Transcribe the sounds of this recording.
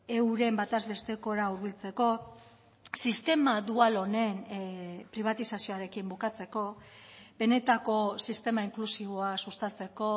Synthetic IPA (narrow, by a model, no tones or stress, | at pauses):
e̞wɾe̞mbat̪azβe̞st̪e̞ko̞ɾauɾβilt͡se̞ko̞ | sist̪e̞mad̪ualo̞ne̞npɾiβ̞at̪isasio̞aɾe̞kimbukat͡se̞ko̞be̞ne̞t̪ako̞sist̪e̞maiŋklusiβ̞o̞asust̪at͡se̞ko̞